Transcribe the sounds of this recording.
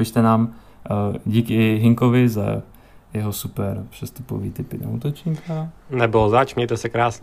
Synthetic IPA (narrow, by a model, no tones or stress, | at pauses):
pɪʃt̪ɛnaːm | ɟiːkɪɪɦɪŋkovɪza̰ | jɛɦosupɛɾpr̥ɛst̪upo̰vḭːt̪ɪpɪdo̰ṵːt̪ot͡ʃɲiːkʰanɛbɪlozat͡ʃmɲɛjt̪ɛsɛkɾaːsɲɛ